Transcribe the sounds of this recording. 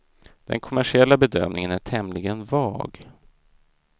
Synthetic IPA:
d̪̥ɛ̰nkʰʊmæʂɪɛlːabɛd̪œ̰mnɪŋənæʈʰɛmlɪɡənvɑ̰ːɡ

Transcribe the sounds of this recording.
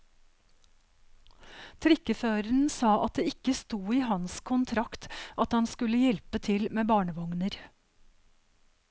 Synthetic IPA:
t̪ʰɾɪkəføːɾəɳ̩sɑːʔɑt̪̚d̪eːɪkəst̪uːiːhɑnskʰʊnt̪ʰɾɑkt̪ʔɑt̪hɑnskʉləjɛlpət̪ʰɪlmeːbɑːɳəʋɔŋnəɾ

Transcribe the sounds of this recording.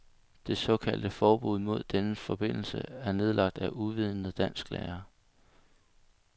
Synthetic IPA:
d̥e̝sɒ̽kʰæl̰d̥əfɒːb̥uð̰ˠmo̝ð̞̰ˠd̥enəfɒ̽b̥e̝n̰l̩səæɐne̝ð̞ˠlɑ̈ɡ̥̚d̥æʔuʋið̰ˠn̩əd̥æn̰sɡ̥lɛ̰ːɐ

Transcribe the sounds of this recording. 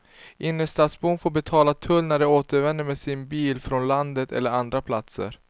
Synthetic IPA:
ʔɪnːəʂt̪ɑːt̪sbuːnfoːɾbɛt̪ʰɑːlat̪ʰɵlnæɖɛoːt̪əɾvɛnd̪əɾmɛsɪnbiːlfɾɔnland̪ət̪ʰɛ̰lːəɾand̪ɾapʰlat̪sə̰ɾ

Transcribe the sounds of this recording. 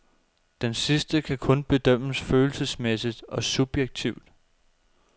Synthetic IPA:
d̥ensisd̥əkʰækʰɔ̽nb̥e̝d̥œm̰əsføːl̩səsmesid̥ɒ̽sub̥jeɡ̥̚t͡sʰiʊ̰d̥

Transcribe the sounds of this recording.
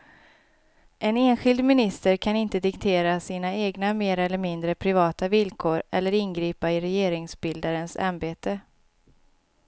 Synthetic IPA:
ʔɛneːnɧɪld̪mɪnɪst̪əɾkʰanɪnt̪əd̪ɪkt̪ʰeːɾasiːnaeːɡnameːɾɛlːəɾmɪnd̪ɾəpʰɾɪvɑːt̪avɪlkʰoːɾɛlːəɾɪnɡɾiːpaɪɾɛjeːɾɪŋsbɪld̪aɾənsa̰mbeːt̪ə

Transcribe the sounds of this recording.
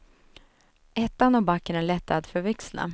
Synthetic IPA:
ʔɛt̪ːanɔbakːəɳɛnlɛt̪ʰːad̪fœɾvɛkslna̰

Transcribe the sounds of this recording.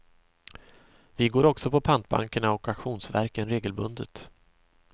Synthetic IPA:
vɪɡoːɾɔksɔpʰɔpʰant̪̚ba̰ŋkəɳaɔkakɧuːnsvæ̰ɾkənɾeːɡəlbɵnd̪ə̰t̪

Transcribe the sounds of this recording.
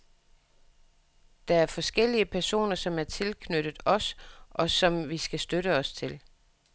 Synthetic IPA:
d̥ɑ̈æɐfɒ̽sɡ̥el̰iəpʰæɐso̝̰ːnɐsɒ̽mæɐt͡sʰe̝lkʰnøɾ̥ð̩ˠɒ̽sʔɒ̽sɒ̽mʋisɡ̥æsd̥øɾəɒ̽st͡sʰe̝l

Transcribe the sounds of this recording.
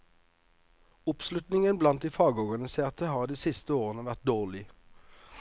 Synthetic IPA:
ʊpslʉt̪nɪŋənblɑnt̪d̪iːfɑːɡəɔʁɡɑnɪseːʁt̪əhɑːʁd̪iːsɪst̪əoːʁənəʋæʁt̪̚d̪oːʁlɪ

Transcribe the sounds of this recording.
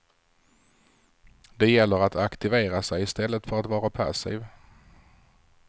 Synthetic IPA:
d̪ɛjɛlːəɾat̪ʰakt̪ɪveːɾasɛjɪst̪ɛlːət̪fœɾat̪vɑːɾapʰa̰sɪ̰ːv

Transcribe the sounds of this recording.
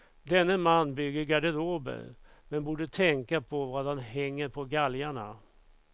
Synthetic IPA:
d̪ɛnːəmanːbʏɡːəɾɡaɖəɾoːbə̰ɾmɛnbuːɖət̪ʰɛŋkapʰɔvadanɦɛŋːəɾpʰɔɡaljaɳa̰

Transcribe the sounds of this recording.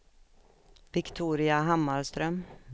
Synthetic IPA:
vɪkt̪ʰuːɾɪaɦamːaɾst̪ɾœm

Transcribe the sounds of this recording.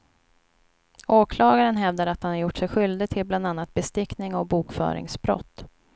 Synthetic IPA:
oːkʰlɑːɡaɾənɦɛvd̪aɾat̪hanhaɾjʊʈːʂɛjɧʏld̪ɪɡ̚t̪ʰɪlbland̪anːat̪̚bɛst̪ɪknɪŋɔbuːkfœ̰ːɾɪ̰ŋsbɾɔ̰t̪ː

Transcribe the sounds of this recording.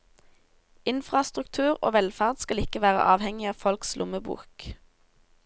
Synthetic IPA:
ɪnfʁɑst̪ʁʉk̚t̪ʰʉːʁo̰ːʋɛlfæʁd̪skɑlɪkəʋæːʁə̰ʔɑːʋhɛŋɪɑːʋfɔlkslʔʊməbṵːk

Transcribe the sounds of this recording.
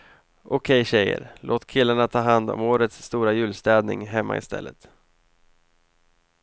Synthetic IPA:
ʔʊkʰɛjɕɛjːə̰ɾlʔoːt̪kʰɪlːaɳat̪ʰɑːɦand̪ɔ̰moːɾət̪sːt̪uːɾajʉ̟ːlst̪ɛːd̪nɪŋɦɛmːa̰ɪst̪ʰɛ̰lːət̪

